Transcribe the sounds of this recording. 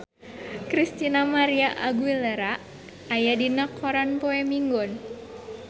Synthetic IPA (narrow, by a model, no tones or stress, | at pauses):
kɾist̪inamaɾiaʔaɡuiləɾaʔ | ajadinakʰɔɾanpɔɛmiŋɡɔn